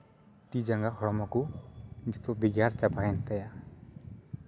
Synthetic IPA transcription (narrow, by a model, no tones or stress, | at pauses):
t̪id͡ʒaŋɡahɔɽɔmɔkud͡ʒɔt̪ɔbiɡaɾt͡ʃapaɛnt̪aja